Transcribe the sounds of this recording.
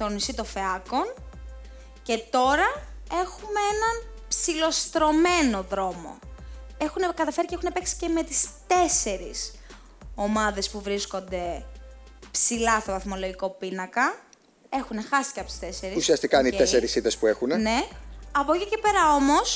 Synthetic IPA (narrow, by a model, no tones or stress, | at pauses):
t̪o̞nisit̪o̞fe̞ɐko̞n | ce̞t̪o̞ɾɐe̞xumeenɐnpsilo̞st̪ɾo̞me̞no̞ðɾo̞mo̞̰e̞xunekɐt̪ɐfe̞ɾiceexunepe̞ksi̥ce̞me̞t̪ist̪e̞se̞ɾis | o̞mɐðe̞spuvɾisko̞nd̪e̞ | psilɐst̪ovɐθmo̞lo̞ʝiko̞pinɐkɐ | e̞xune̞xɐsi̥ceɐpot̪i̥st̪e̞se̞ɾiusiɐst̪ikɐnit̪eseɾisit̪espuexunene̞ɐpocice̞pe̞ɾɐo̞mo̞s